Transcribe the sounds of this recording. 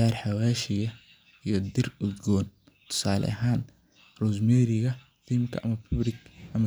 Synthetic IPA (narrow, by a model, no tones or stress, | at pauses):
aːrħɑwaːʃɪjɐ | ijɞd̪ɪrʊd̪ɡɔːn | t̪ʰʊ̥saːlɛ̰ʔɐɦaːn | rus̬mɛːɾɪɣɐ | θimkʰɐ̰ʔɐmɐpʰʊbrɪɡʔɐmɐ